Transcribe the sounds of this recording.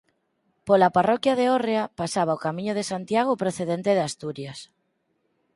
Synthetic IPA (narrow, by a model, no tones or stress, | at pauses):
polaparɔkjaðeoreapasaβ̞aokamĩɲoð̞esant̪jaɣ̞opɾoθeðent̪eð̞east̪uɾjas